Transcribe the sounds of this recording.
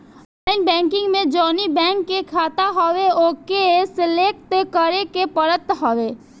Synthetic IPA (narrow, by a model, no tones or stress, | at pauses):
laɪnbɛ̃ːŋkɪ̃ŋɡmẽd͡ʒɔːnibɛ̃ːŋkːekʰaːt̪aɦɔʋeoːkesɪleːk̚ʈekəɾekepəɾət̪ɦɔʋe